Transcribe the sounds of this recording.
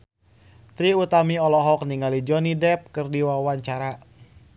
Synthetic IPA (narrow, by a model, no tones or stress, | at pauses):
t̪ɾiut̪amiɔlɔɦɔkniŋalid͡ʒɔnidɛp̚kɨrdiwawaɲt͡ʃaɾa